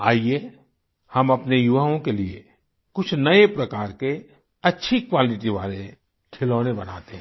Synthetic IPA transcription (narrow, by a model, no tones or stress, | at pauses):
a̰ːie | hɐmɐpnejʊʋaɦõkeliḛ | kʊt͡ʃʰnɐepɾɐkaːɾke | ɐtːʃʰikʋaːlɪʈiʋa̰ːle | kʰɪloːnebɐɽ̤a̰ːt̪eɦɛ̃